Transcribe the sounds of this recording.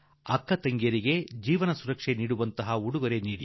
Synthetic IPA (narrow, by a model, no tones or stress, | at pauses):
ɐkːɐt̪ɐŋɡjɐɾiɡe̞d͡ʒiːʋɐnɐsuɾɐkʂe̞niːɽuʋɐnt̪ɐɦɐuɽuɡɐɾe̞niːɽi